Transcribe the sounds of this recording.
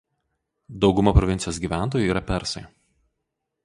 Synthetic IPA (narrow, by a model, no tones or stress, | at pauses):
d̪ɒʊɡʊmɐpɾɔʋʲɪnʲt̪ʲɪjoːsɡʲiːˑʋʲæˑnˑt̪oːjʊiːɾɐpʲɛɾsɐɪ